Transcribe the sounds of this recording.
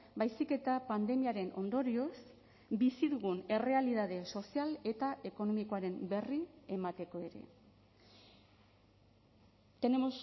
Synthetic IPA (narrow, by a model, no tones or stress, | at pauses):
bajsike̞t̪apand̪e̞miaɾe̞no̞nd̪o̞ɾio̞s | bisiðuɣune̞re̞alið̞aðe̞so̞siale̞t̪aʔe̞ko̞no̞miko̞aɾe̞mbe̞riemat̪e̞ko̞e̞ɾe̞̰ | t̪enemos